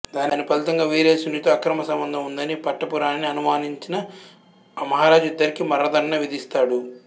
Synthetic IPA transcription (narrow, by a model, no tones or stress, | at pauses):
d̪aːninːipɐlt̪ɐŋɡaːʋeːɾeːsunit̪oɐkɾɐmɐsɐmbɐnd̪ʱɐmund̪ɐnipɐʈːɐpuɾaːnːiɐnumaːniɲt͡ʃinɐ | mɐɦaːɾaːd͡ʒuid̪ːɐɾikimɐɾːɐd̪ʱɐɾɐnɐʋid̪ist̪aːɽu